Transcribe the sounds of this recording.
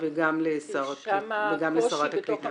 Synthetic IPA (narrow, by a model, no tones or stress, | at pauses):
veɡamlesoʁveɡamlesoʁat̪aklit̪